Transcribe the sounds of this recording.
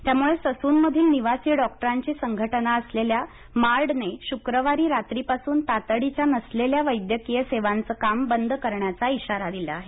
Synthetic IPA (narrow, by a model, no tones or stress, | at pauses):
t̪jamuɭesəsuːnməd̪ʱiːlniʋasiːɖɔk̚ʈəɾaɲt͡ɕiːsəŋɡʱəʈənaəslelja | maɾɽneɕukɾəʋaɾiːɾat̪ɾiːpasuːnt̪at̪əɽit͡ɕjanəsleljaʋəjd̪jəkijəseʋant͡səːkambənd̪ʱkəɾɳjat͡saiɕaɾad̪ila̰aɦe